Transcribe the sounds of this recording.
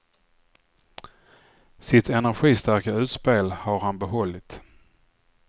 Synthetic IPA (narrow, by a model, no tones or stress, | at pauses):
sɪt̪ʰɛnæɾɧiːst̪æɾkaʉ̟ːt̪speːlhaɾhanbɛɦɔlːɪt̪